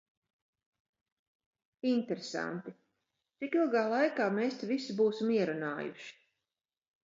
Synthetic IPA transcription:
int̪ɛɾesa̰nt̪i | t̪sikilˠɡaːlˠajkaːmeːst̪ɛvisibuːsimiɛɾunaːjṵʃi̥

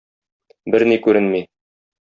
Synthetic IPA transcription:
bɘɾnikʉɾɘnmi

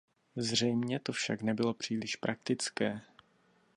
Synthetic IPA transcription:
zr̝ɛjmɲɛt̪ofʃaknɛbɪlo̞pr̥iːlɪʃpɾʔak̚t̪ɪt͡skɛː

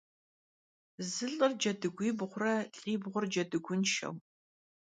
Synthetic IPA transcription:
zɨɬʼɨrd͡ʒɐdɨɡʷiːbʁʷʊrɐɬʼiːbʁʷʊrd͡ʒɐdɨɡʷʊnʃɐ̰w

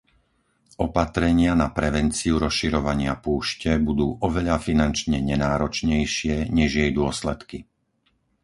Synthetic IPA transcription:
ʔɔpat̪ɾɛɲɪanapɾɛʋɛnt͡siuɾɔsʃiɾɔʋaɲɪapuːʃcɛbud̪uːʔɔʋɛʎafinant͡ʃɲɛɲɛnaːɾɔt͡ʃɲɛjʃɪɛɲɛʒjɛjd̪ʊɔslɛt̪ki

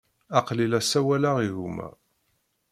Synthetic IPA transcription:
ɑqlilæsæwælaʁiɣumæ̰

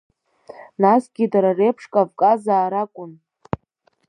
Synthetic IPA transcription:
nasɡʲidaɾarepʰʂkʼavkʼazaːɾakʷʼʊn

